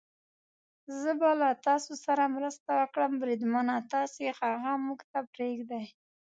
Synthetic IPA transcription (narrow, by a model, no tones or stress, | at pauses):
zəbalat̪ɑsosaɾamɾəst̪awəkɽəmbɾid̪manat̪ɑsexaɣamuɡt̪apɾeɡd̪aj